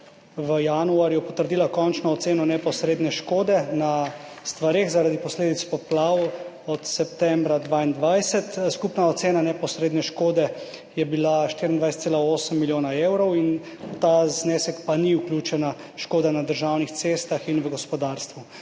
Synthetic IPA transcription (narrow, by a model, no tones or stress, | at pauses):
ʋəjanuaɾjɔpɔt̪əɾd̪iːlakɔnt͡ʃnɔːt̪seːnɔnɛpɔsɾeːd̪nɛʃkoːd̪ɛna | st̪ʋaɾeːɣzaɾad̪ipɔsleːd̪it̪spɔplaw | ɔt̪sɛp̚t̪ɛmbɾad̪ʋaːind̪ʋajsɛt̪skupnaɔt̪seːnanɛpɔsɾeːd̪nɛʃkoːd̪ɛ | jɛbilaʃt̪iɾind̪ʋajsɛt̪seːlaoːsəmːiljoːnaewɾɔwin | t̪aznesɛkpaniuklʲuːt͡ʃɛnaʃkoːd̪anad̪əɾʒawnixt̪sest̪axinʋəɡɔspɔd̪aɾst̪ʋu